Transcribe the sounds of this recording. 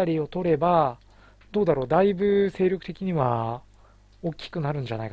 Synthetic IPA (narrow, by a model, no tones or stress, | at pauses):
aɾʲio̞t̪o̞ɾe̞ba | d̪̥o̞ːd̪aɾo̞ːd̪aibɯ̟se̞ːɾʲo̞kɯ̟̥t̪e̞kʲiɲ̟iβa | o̞kʲːi̥kɯ̟naɾɯ̟̃ɲd͡ʑana̰ik